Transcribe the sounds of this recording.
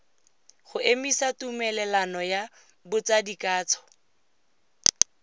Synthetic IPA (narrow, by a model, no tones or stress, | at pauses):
χʊʔemisatumɛlɛlanɔja | bʊt͡sadikʼaːt͡sʰɔ̥